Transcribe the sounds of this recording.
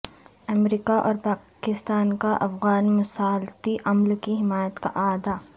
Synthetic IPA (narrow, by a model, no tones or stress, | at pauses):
ɐmɾiːkaʔɔ̰ːɾpaːkɪst̪aːnkaʔɐfɣaːnmʊsaːlt̪iʔɐmlkiɦɪmaːjət̪ka̰ʔaːd̪aː